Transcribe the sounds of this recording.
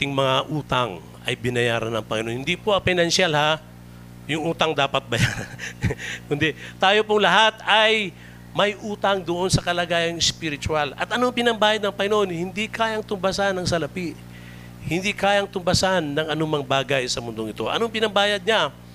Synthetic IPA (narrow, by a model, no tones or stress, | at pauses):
t̪ɪŋmɐŋaʔuːt̪aŋ | ɐ̰jbɪnɐja̰ːɾɐnɐŋpɐŋɪ̰nohɪnd̪ipoɐpɪnɐnʃalha | jʊŋʔuːt̪ɐŋd̪aːpɐt̪̚bɐjaɾankʊnd̪ɛt̪aːjo̞poŋlɐɦat̪ɐj | mɐjʔuːt̪ɐŋd̪oʔonsɐkɐlɐɡaːjɐŋɪspɪɾɪt͡ʃ̪ʊalɐ̰t̪ɐnoŋpɪnɐmbaːjaɐd̪̚nɐŋpɐŋɪno̞nhɪnd̪ikaːjɐŋt̪ʊmbɐsanːɐŋsɐlɐpiʔ | hɪnd̪ikaːjɐŋt̪ʊmbɐsanːɐŋɐnumɐŋbaːɡɐjsɐmʊnd̪oŋɪt̪o̞ʔɐ̰noŋpɪnɐbaːjɐd̪̚ɲa